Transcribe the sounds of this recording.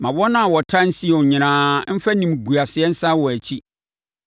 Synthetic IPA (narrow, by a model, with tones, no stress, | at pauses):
mã˨wɔ˦nã˦a˨wɔ˨tʰã˦n̩˦si˦ɛ˨ɔ˨ɲɪ̃˨ãː˨˦m̩˦fa˦nĩ˨m˨ɡu˨a˨sɪ˨ɛ˦n̩˦sa˦wɔ˨æ˨t͡ɕʰi˦